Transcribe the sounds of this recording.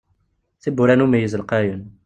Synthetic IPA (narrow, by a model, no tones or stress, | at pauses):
θibːuɾænumijəzəlqæjən